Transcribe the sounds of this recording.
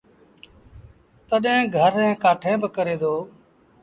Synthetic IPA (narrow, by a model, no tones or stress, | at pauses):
t̪əɗẽːɡʱəɾẽːkaːʈʰẽːbəkəɾeːd̪oː